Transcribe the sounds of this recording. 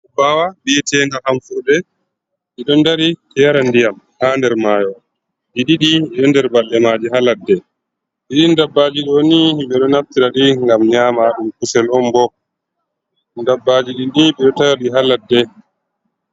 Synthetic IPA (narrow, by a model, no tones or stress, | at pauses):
bawaɓɛtɛːŋɡahamfuɾdɛ | ʔiɗɔndaɾikɛjaɾandijam | haːndɛɾmaːjɔ | ɗiɗiɗiɛɗɔndɛɾbalɗɛmad͡ʒiɦaladːɛ | ɗiɗindabːad͡ʒiɗonihiɓɛɗɔnaftiɾaɗiŋɡamɲaːmaɗumkusɛlɔmbɔ | ndabːad͡ʒiɗinɗiɓɛɗɔtaɾaɗiɦaladːɛ